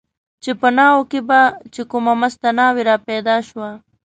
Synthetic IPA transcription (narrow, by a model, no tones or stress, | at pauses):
t͡ʃepənɑːwokebat͡ʃekumamast̪anɑːweɾɑpɛd̪ɑʃwa